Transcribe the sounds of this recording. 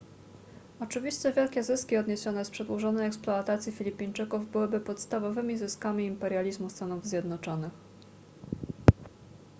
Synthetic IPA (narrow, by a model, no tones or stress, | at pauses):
ɔt͡ʂɘvʲiɕt͡ɕɛvʲjɛlkʲɛzɘskʲiɔd̪ɲeɕɔnɛspʂɛd̪wɔʐɔnɛjɛksplɔat̪at̪sʲjifʲilʲipʲiɲt͡ʂɘkuvbɘwɘbɘpɔt̪st̪avɔvɘmʲizɘskamʲiːmpɛɾʲjalʲizmust̪anuvzʲjɛd̪nɔt͡ʂɔnɘx